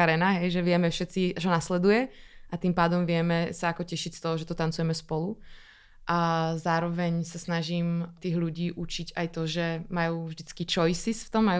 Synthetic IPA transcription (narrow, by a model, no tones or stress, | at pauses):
aɾɛnaɦɛjʒɛʋɪɛmɛfʃɛt̪t͡sit͡ʃɔnaslɛd̪ujɛʔat̪impaːd̪ɔmʋɪɛmɛsaakɔcɛʃicst̪ɔɦɔʒɛt̪ɔt̪ant͡sujɛmɛspɔlu | ʔazaːɾɔʋɛɲsasnaʒiːmt̪iːɣʎuɟiːʔut͡ʃiɟajt̪ɔʒɛmajuːvʒd̪it͡skit͡ʃɔjsisft̪ɔmːaj